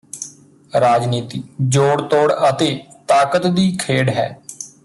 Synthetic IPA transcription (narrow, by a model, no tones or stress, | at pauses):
ɾaːd͡ʒniːt̪iːd͡ʒoːɽt̪oːɽət̪eːt̪aːkət̪d̪iːkʰeːɖɦɛː